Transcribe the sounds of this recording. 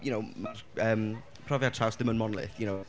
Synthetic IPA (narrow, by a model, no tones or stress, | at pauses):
jʊnowmarəːm | pʰrɔvjatʰawsdðɪmənmɔnlˠɪ̰θjʊnow